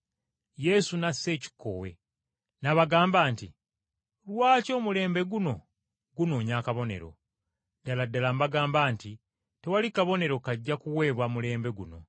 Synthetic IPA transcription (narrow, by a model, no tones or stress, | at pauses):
je̞sunase̞ːci̥kʰːo̰we̞̰ | naβaɡaːmbaːnti | lwaːco̞ːmule̞ːmbe̞ɡuno̞ | ɡuno̞ːɲakaβo̞nḛɾo̞̰ | daladːalambaɡaːmbaːnti | te̞walikaβo̞ne̞ɾo̞kaɟːakuwe̞ːβwamule̞ːmbe̞ɡuno̞̰